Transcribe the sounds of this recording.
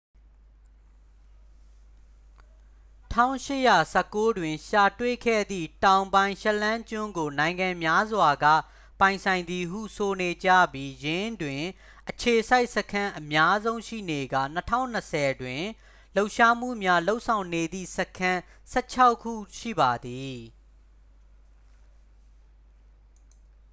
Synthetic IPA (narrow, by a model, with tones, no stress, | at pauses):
tʰã̰˦ʊ̃ʃɪ˦˨ja˨sɛ˦kːo˦dwɪ̃˨ʃa˨twe˦˨kʰɛ̰˦˨d̪ðḭ˦˨tã˨ʊ̃mbã˨ɪ̃ʃɛ˦lã˦ɲt͡ɕʊ̃˦ŋɡo˨nã˨ɪ̃ŋɡã˨mja˦zwa˨ɡä̰˦˨ | pã˨ɪ̃nsʰã˨ɪ̃nd̪i˨ɦṵ˦˨so˨ne˨d͡ʑä̰˦˨bji˦jɪ̃˦ndwɪ̃˨ | ʔət͡ɕʰe˨sa˦ɪʔsəkʰã˦ʔəmja˦zõ˦ʊ̃ʃḭ˦˨ne˨ɡä̰˦˨nətʰã̰˦˨ʊ̃n̥ːəsʰɛ˨dwɪ̃˨ | lo˦ʊʔʃa˦m̥ṵ˦˨mja˦lo˦ʊʔsʰã˨ʊ̃ne˨d̪ḭ˦˨səkʰã˦ | sɛ̰˦t͡ɕʰa˦ʊkʰːṵ˦˨ʃḭ˦˨ba˨d̪i˨